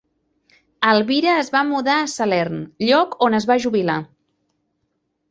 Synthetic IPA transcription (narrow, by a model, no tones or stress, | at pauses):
əlˠβiɾəːzβamuðaəsəlɛɾnʎɔkonəzβaʒuβila